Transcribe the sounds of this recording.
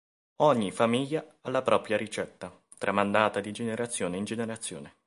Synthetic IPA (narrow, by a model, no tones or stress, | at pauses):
ɔɲːifamiʎːaalːapɾʔɔːpɾjaɾit͡ʃɛt̪ːa | t̪ɾʔamand̪aːt̪ad̪id͡ʒeneɾat̪sːjoːneind͡ʒeneɾat̪sːjo̰ːne